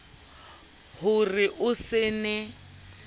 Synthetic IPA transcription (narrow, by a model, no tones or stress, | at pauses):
hʊrɪʔʊsɪnɛ